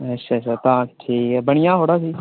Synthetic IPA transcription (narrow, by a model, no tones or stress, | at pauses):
ɐtʃʰat͡ʃʰːat̪ãːkʈʰiːkɛbɐɽ̃ɪjãɦoːɽaːt̪iː